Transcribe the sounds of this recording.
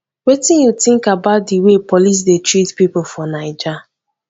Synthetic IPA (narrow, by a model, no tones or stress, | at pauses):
wetĩnjutɪ̃ŋkabaʊt̚diwepɔlis̬detɹitpipʊfɔnaɪd͡ʒa